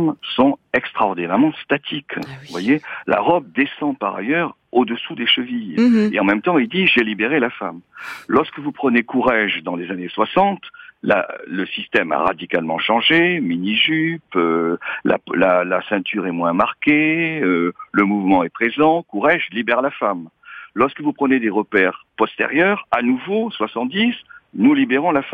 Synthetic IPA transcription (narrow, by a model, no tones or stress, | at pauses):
msɔ̃ɛkst̪χaɔʁd̪inɛʁmɑ̃st̪at̪ʰikvwajelʔa̰ʁɔb̚d̪esɑ̃paʁa̰jœʁ | od̪əsud̪eʃəvijeɑ̃mɛmt̪ɑ̃ild̪iʒelibeʁelafamlɔʁskəvupχənekuʁɛʒd̪ɑ̃lezaneswasɑ̃t̪la̰ləsist̪ɛma̰ʁa̰d̪ikalmɑ̃ʃɑ̃ʒeminiʒypøla̰lalasɛ̃t̪ʰyʁɛmwɛ̃maʁkeøləmuvmɑ̃ɛpχezɑ̃kuʁɛʒlibɛʁlafam | lɔʁskəvupχəned̪eʁəpɛʁpɔst̪ḛʁjœʁanuvoswasɑ̃t̪̚d̪isnulibeʁɔ̃lafa